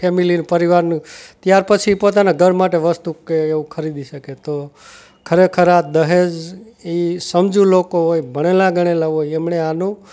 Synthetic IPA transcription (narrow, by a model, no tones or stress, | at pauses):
emilinpəɾiʋaɾnũt̪jaɾpət͡ʃʰipot̪anaɡʱəɾmaʈeʋəst̪ukeeʋũkʰəɾid̪iʃəket̪o | kʰəɾekʰəɾad̪əɦed͡ʒ | isəmd͡ʒũlokoɦojbʱəɽ̃elaɡəɽ̃elaɦojemɳeanũ